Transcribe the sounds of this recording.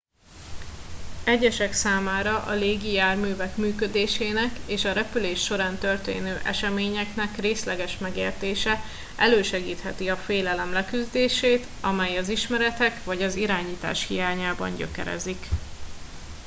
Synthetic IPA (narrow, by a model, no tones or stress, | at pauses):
ɛɟːɛʃɛksaːmaːɾɒʔɒ̰leːɡijaːrmyːvɛkmyːkød̪eːʃeːnɛkeːʃɒɾɛpyleːʃːo̞ɾaːnt̪ø̞rt̪ḛːnøːʔɛʃɛmeːɲɛknɛkreːslɛɡɛʃmɛɡḛːrt̪eːʃɛ | ʔɛløːʃɛɡiːt̪hɛt̪iɒfeːlɛlɛmlɛkyzd̪eːʃeːt̪ | ɒmɛjɒziʃmɛɾɛt̪ɛkvɒɟɒziɾaːɲiːt̪a̰ːʃhijaːɲaːbɒ̰ɲɟø̰kɛ̰ɾɛ̰zik